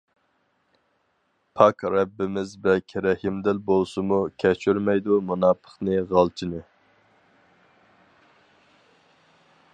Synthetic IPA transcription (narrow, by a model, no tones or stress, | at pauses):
pʰɑkɾɛbːɪmɪzbɛkʲʰɾɛhimd̪ɪlbolˠsɨmukʲʰɛt͡ʃʰyɾmɛjd̪umunɑpʰə̥χnɨʁɑlˠt͡ʃʰinɨ